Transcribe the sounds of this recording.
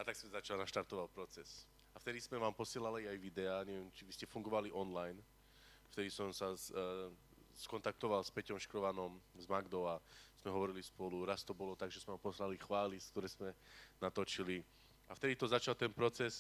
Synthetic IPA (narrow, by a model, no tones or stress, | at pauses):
at̪aɡksmɛzat͡ʃalnaʃt̪aɾt̪ɔʋalpɾɔt͡sɛs | aft̪ɛd̪izmɛʋaːmpɔsɪɛlaliajʋid̪ɛaːɲɛʋjɛmt͡ʃiʋiscɛfuŋɡɔʋaliʔɔnlajn | ft̪ɛd̪isɔmsa | skɔnt̪ak̚t̪ɔʋalspɛcɔmʃkɾɔʋanɔmzmaɡd̪ɔaz̥mɛɦɔʋɔɾilispɔluɾast̪ɔbɔlɔt̪aɡʒɛzmɛʋampɔslalixʋaːliskt̪ɔɾɛːz̥mɛnat̪ɔt͡ʃili | aft̪ɛd̪it̪ɔzat͡ʃalt̪ɛnpɾɔt͡sɛs